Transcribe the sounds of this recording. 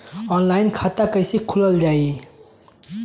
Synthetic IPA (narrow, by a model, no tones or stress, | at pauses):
ɔnlajnkʰat̪akəjsikʰuləld͡ʑaji